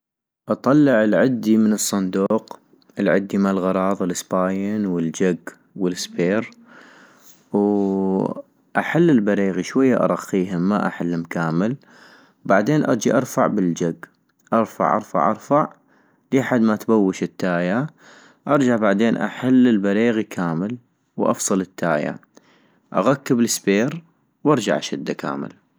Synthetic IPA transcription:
ʔɑt̪ˤɑlːɪʕəlʕɪd̪ːimənɨsˤːɑnd̪uːq | ʔəlʕɪ̰d̪ːimalɣɑɾˤɑːðˤɪlɪspaːjɪnwəld͡ʒaɡ | wəlsbeːɾ | w | ʔaħalːɪlbaɾiːɣiʃwajːaʔɑ̰ɾˤɑqːiːɦɪmːaʔa̰ħalːɪmkaːmɪl | wbaʕd̪eːnʔɑ̰ɾˤd͡ʒiʔɑɾˤfaʕbɪld͡ʒaɡ | ʔɑɾˤfa̰ʕʔɑ̰ɾˤfa̰ʕʔɑɾˤfaʕ | liːħad̪mat̪bawːɪʃɪt̪ːaːja | ʔɑɾˤd͡ʒaʕbaʕd̪eːnʔa̰ħalːɪlbaɾiːɣikʰaːmɪl | wʔɑ̰fsˤɨlɪt̪ːaːja̰ | ʔa̰ɣakːɪbəlɪsbeːɾ | wʔɑɾˤd͡ʒa̰ʕʔa̰ʃɪd̪ːakʰa̰ːmɪ̰l

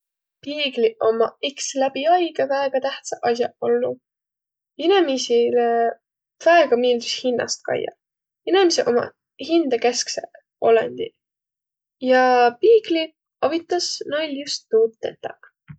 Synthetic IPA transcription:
piːɡlio̞mɑ̰ikslæb̥iɑjɡɑvæːɡ̥ɑt̪æht̪sɑʔɑs̬ʲjɑʔolːu | inemisile | v̥æeɡ̥ɑmiːld̪ushinːɑ̰st̪̚kɑ̰jːɑ̰ | inemiseʔo̞mɑ̰ | hind̪̥ɑkesksḛ | o̞lḛnʲd̪̥i | jɑpiːɡ̥li | ɑvit̪ːˑɑsnojljust̪ːuːt̪ːˑet̪ːɑ

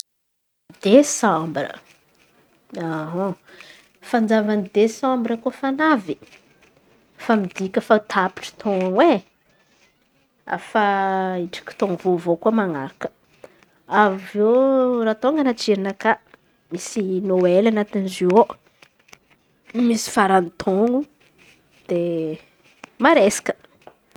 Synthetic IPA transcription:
d̪̥esãmbrə̰ | aɦo | fand͡ʒavanid̪esãmbɾəkufanavi̥ | famid̪ikʲəfat̪ʰapi̥ʈ͡ʂə̥t̪ʰoŋaŋwe | a̰faiʈ͡ʂi̥kʲi̥t̪oŋuvovokuəmaŋaɾakə̥ | avvorat̪oŋɡanat͡ʃiɾinaka | misinoelanat̪inizio | misi̥faɾanit̪ʰoŋu | d̪̥e | maɾesḁkə̥

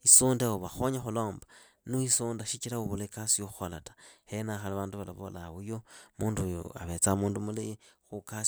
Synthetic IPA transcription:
isuːndaoβaxoɲaxulo̞ːmba | nuisuːndaʃit͡ʃilauβuleikasijoxolatḁhenaxaliβaːnduβala̰βo̰lawujomuːndujo̰a̰βet͡samuːndumulixukas

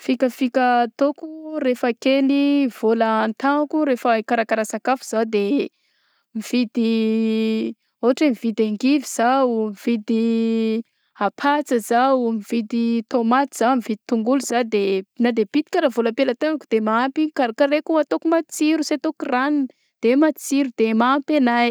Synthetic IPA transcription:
fikəfikat̪okurefəkeliv̥olənt̪aŋakuɾefəikaɾakaɾasakafuz̥awd̪e | miv̥id̪i | oɦaʈ͡ʂemivid̪aŋɡiviz̥aumivid̪i | apʰat͡səzawmivid̪it̪omat̪iz̥amivid̪i̥t̪uŋɡuluzad̪enad̪ebit̪ikaɾavoləpelət̪eŋakud̪̥emaampikaɾakaɾekuat̪okumat͡siɾuset̪okuranin | d̪̥emat͡siɾud̪̥emampenaj

